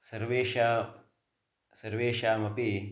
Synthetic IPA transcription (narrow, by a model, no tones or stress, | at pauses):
sɐɾweːʃa | sɐɾweːʃaːmɐpi